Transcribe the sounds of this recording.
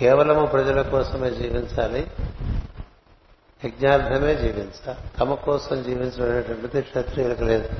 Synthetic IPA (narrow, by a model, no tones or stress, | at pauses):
kɛːʋɐlɐmupɾɐd͡ʒɐlɐkɔːsɐmeːd͡ʒiːʋiɲt͡ʃaːli | ʋɐɡɲaːɾd̪ʱɐme̞ːd͡ʒiːʋiɲt͡ʃaːlit̪ɐmɐkɔːsɐmd͡ʒiːʋiɲt͡ʃɐnɐnɐʈɐmɐt̪ikʂɐt̪ɾijɐɾɐkɐleːd̪u